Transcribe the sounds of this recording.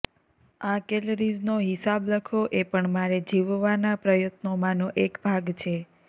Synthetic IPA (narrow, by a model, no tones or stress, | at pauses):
akelɾiznoɦisabləkʰoʔepəɳmaɾed͡ʒiʋʋanapɾəjət̪nomãnoʔekbʱaɡt͡ʃʰe